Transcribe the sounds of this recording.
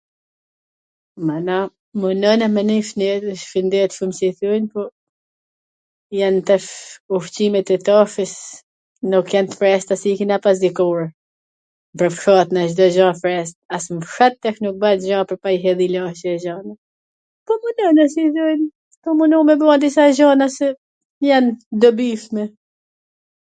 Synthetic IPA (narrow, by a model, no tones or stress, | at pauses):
mana | munɔnamɛnifnɛəʃfind̪ɛt̪fumsiθunpɔ | jant̪ɛfuft͡ɕimɛt̪ɛt̪afəs | nukːjɛnt̪fɾɛst̪asikinapas̬d̪ikuɾ | pəɾfʃat̪naʃd̪ɔʒɔ̃fɾɛst̪̚asmfʃat̪ːɛʃnuk̚bat̪ʒɔ̃pəɾpaiɦɛðilaʃɛɛʒana | pɔmunɔnasiθujn | pɔmunumɛbɔad̪isaʒɔnasɛ | jand̪ɔbifmɛ